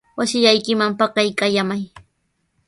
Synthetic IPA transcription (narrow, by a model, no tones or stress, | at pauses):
wasɪʎajkɪmampɑkɑjkajamaj